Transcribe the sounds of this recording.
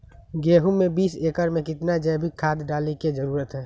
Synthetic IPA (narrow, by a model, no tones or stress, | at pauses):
ɡeːɦumẽbiːseːkəɾmẽkɪt̪nad͡ʒɛːbʱikʰaːd̪ɖaːleked͡ʒəɾuːɾət̪ɦɛː